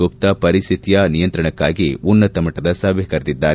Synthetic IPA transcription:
op̚t̪ɐpɐɾist̪ʰit̪jɐnijɐnt̪ɾɐɳɐkːaːɡiunːɐt̪ɐmɐʈɐd̪ɐsɐːʋjɐkɐɾd̪id̪ːaːɾ

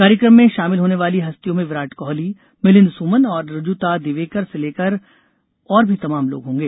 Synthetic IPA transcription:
kaːɾjəkɾəmːẽʃaːmɪlɦoːneʋaːliɦɐst̪ijõmẽʋɪɾaːʈkɔːɦli | mɪlɪ̃nsuːmənɔːɾɾʊd͡ʒuːt̪ad̪ɪʋeːkəɾseleːkəɾ | ɔːɾbʱit̪ɐmaːmlo̰ːɡɦõːŋɡeː

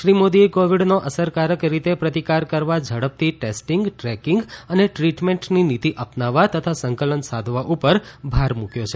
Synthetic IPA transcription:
ʃɾimod̪iekoʋiɖnoʔəsəɾkaɾəkɾit̪epɾət̪ikaɾkəɾʋad͡ʒʱəɽəp̚t̪iʈesʈiŋɡʈɾɛkiŋɡəneʈɾiʈmẽɳʈninit̪iʔəpnaʋːat̪ət̪ʰasəŋkələnsad̪ʱʋaʔupəɾbʱaɾmũkjot͡ʃʰe

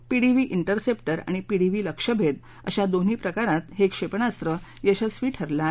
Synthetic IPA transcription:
piɽiʋiːʔiɳʈəɾsepʈəɾa̰ɽ̃ipiɽiʋiːləkʂəbʱed̪ | ə̰ɕad̪on̤iːpɾəkaɾãt̪ɦekʂepɳast̪ɾəjeɕəsʋiːʈʰəɾla

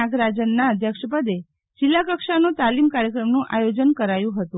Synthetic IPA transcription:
aɡɾad͡ʒənːaəd̪ʱjəkʂəpəd̪e | d͡ʒɪlːakəkʂanũt̪alimkaɾjəkɾəmnũʔajod͡ʒənkəɾajũɦət̪ũ

